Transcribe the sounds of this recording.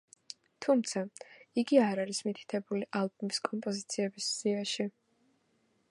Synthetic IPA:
t̪ʰumt̪sʰaiɡiaɾaɾismit̪ʰi̥t̪ʰɛbuliʔalˠbumiskʼɔmpʼɔzit̪sʰiɛbisz̥iaʃi

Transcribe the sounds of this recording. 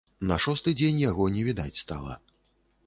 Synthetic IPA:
nɐʂɔst̪ɨd͡zʲenʲjaɣɔnʲɛvʲid̪at͡sʲst̪alˠɐ̰

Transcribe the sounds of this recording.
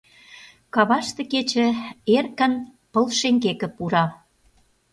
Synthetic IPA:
kɑβɑʃt̪ĕket͡ɕĕerkə̆n | pə̆lʃeŋɡekə̆puɾɑ

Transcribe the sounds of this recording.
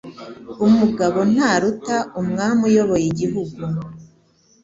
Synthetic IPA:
umuɡaβo̞n̥haːɾutaʔumŋaːmujo̞βo̞jiɟiɦuɡu

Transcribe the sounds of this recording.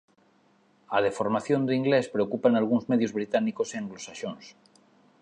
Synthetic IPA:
að̞efo̞ɾmaθjo̞nd̪eiŋɡle̞spɾeokupaenalɣ̞unzmeðjozβɾit̪anikoseŋɡlosaʃons

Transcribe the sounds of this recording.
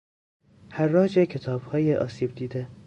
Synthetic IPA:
hæɾːɒːd͡ʒecʰe̞t̪ʰɒːb̥hɒːjeʔɒ̰ːsiːb̚d̪iːd̪e

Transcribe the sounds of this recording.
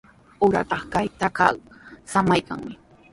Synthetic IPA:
ʊɾa̰t̪ɑχkajt̪aka̰samajka̰ŋmɪ

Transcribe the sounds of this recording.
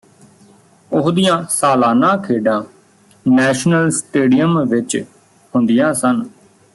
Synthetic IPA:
ʊɦd̪ijãːsaːlaːnãːkʰeːɖãː | nɛːʃnəlsʈeːɖijəmʋɪt͡ʃ | hʊnd̪ijãːsən

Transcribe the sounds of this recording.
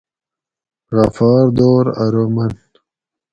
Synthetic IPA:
ɣafɑːɾd̪oːɾaɾoman

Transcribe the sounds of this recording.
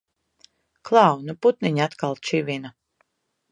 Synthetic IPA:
klˠawnuput̪niɲat̪kalˠt͡ʃivʲina

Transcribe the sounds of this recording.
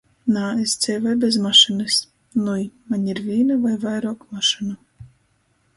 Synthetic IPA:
naːest̪sʲɛjvajbʲɛzmaʃɨnɨs | nujmanʲiɾvʲiːnɨvajvajɾoɔkmaʃɨna

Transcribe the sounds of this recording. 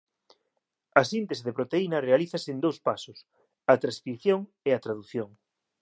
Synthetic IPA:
ɐsint̪esɪðepɾot̪einɐrealiθɐsɪend̪owspasʊs | ɐt̪ɾaskiθjoŋ | eɐt̪ɾaðuθjoŋ

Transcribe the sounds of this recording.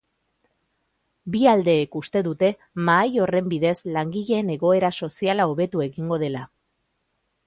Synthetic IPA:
biald̪e̞ːkust̪e̞ðut̪e̞ | maːjo̞re̞mbiðe̞zlaŋɡiʎe̞ːne̞ɣo̞e̞ɾaso̞sialaoβe̞t̪ue̞ɣiŋɡo̞ð̞e̞la

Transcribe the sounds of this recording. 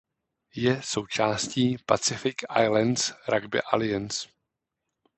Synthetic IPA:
jɛsowt͡ʃaːsciːpat͡sɪfɪka̰jlɛnsɾaɡbɪ̰ʔa̰lɪjɛns

